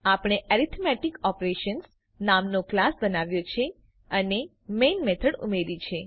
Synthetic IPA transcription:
apɳ̃eʔɛɾit̪ʰmɛʈikɔpɾeʃəns | namnoklasbənaʋjot͡ʃʰe | əne | menmet̪ʰəɽṵmeɾit͡ʃʰe

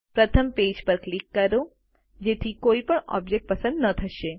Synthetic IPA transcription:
pɾət̪ʰəmpeːd͡ʒpəɾklikːəɾo | d͡ʒet̪ʰikoːipəɳɔ̰bd͡ʒek̚ʈ̚pəsə̃nd̪nət̪ʰəʃe

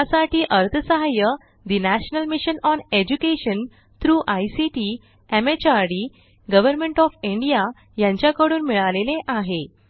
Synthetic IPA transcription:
asaʈiːʔəɾt̪ʰəsəɦajə | d̪inæɕnəlmiɕənɔned͡ʑukeɕən | t̪ɾuːʔajsiʈi | emet͡ɕaɾɖi | ɡəʋəɾmẽɳʈɔfiɳɖija | jãɲt͡ɕjakəɽuːnmiɭaleleʔaɦe

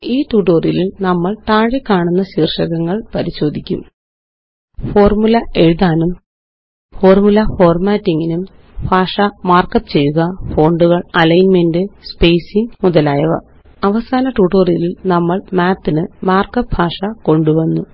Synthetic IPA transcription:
iːʈuːʈoːrililnɐmːɐɭt̪aːɻikːaːɳunːɐɕiːrʂɐɣɐŋːɐɭpɐɾiɕo̞ːd̪ʱikʲːṵm | fo̞ːrmulɐe̞ɻuðaːnum | fo̞ːrmulɐho̞ːrmaːtːiŋɡinum | bʱaːʂɐmaːrkɐpt͡ɕe̞jːuɣɐfo̞ːɳɖuɣɐɭɐlɐjnmendɨspejsiŋmuðɐlaːjɐʋɐ̰ | ɐʋɐsaːnɐʈuːʈorililnɐmːɐɭmaːt̪ːinɨmaːrkɐp̚bʱaːʂɐko̞ɳɖuʋɐnːu

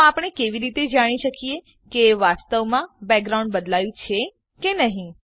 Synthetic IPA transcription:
apɽ̃ekeʋiɾit̪ed͡ʒaɽ̃iʃəkie | keʋast̪əʋmãbɛɡ̚ɡɾaũɳɖbəd̪lajũt͡ʃʰe | kenəɦĩ

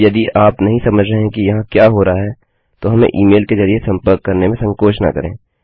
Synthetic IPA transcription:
jɐd̪iʔaːpnɐɦĩsɐməd͡ʒʱɾɐɦẽkijɐɦãkjaːɦoːɾaaɦɛ | t̪oɦɐmḛ̃ʔiːmeːlkezɐɾiesɐ̃mpəɾkːɐɾnemẽsɐ̃ŋkoːʃna̰kɐ̰ɾḛ̃ː

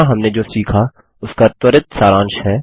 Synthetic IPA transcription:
aɦɐmned͡ʒoːsiːkʰa | ʊskat̪ʊɾət̪saːɾãːnʃɦɛː

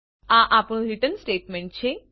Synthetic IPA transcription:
ãʔapɽ̃ũɾiʈənsʈeːʈmẽɳʈ̚t͡ɕʰe

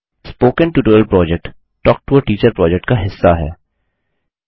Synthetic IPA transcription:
spoːkə̃nʈuːʈoːəlpɾɔːd͡ʒɛk̚ʈ | ʈɔːk̚ʈuːəɾʈiːt͡ʃəɾpɾɔːd͡ʒɛk̚ʈ̚kaɦɪsːaɦɛ̰ː

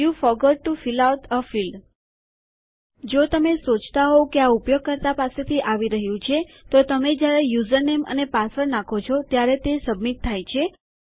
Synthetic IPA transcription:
jufɔɡɔɖ̚ʈufilawʈʰəfil | d͡ʒot̪əmesot͡ʃʰt̪aɦokeaupjoɡ̚kəɾt̪apaset̪ʰiʔaʋiɾəɦjũt͡ʃʰe | t̪ot̪əmed͡ʒjaɾejuzəɾnemə̰nepasəɾnakʰot͡ʃʰɔt̪jaɾet̪esəbmit̪̚t̪ʰːajt͡ʃʰe

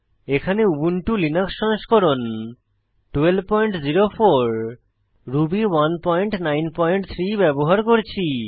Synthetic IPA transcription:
ekʰaneubuɳʈulinakʃɔnʃkɔɾon | ʈuelbpɔjɳʈziɾofoɾ | ɾubiwanpɔjɳʈnajnpɔjɳʈt̪ʰɾibɛboɦaɾkoɾt͡ɕʰi

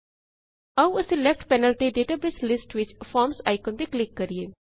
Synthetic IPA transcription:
awəselɛfʈpɛnəlt̪eɖeːʈabɪslɪsʈʋɪt͡ʃfɔːɾmsaɪkõnd̪eklɪkːɐɾie

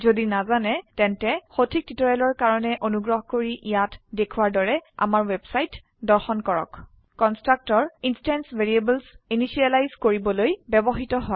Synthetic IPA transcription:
zodinazanɛtɛntɛxotʰik̚titɔɹɛlɔɹkaɹɔnɛʔonuɡɹɔɦɔkoɹiʔijatdekʰuwaɹdɔɹɛa̰maɹwebsajt | dɔɹxɔnkɔɹɔ̰k | kɔnstɹak̚tɔɹinstɛnsveɹiebɛlsinisialajzkoɹibɔlojbɛbɔxitɔɦɔ

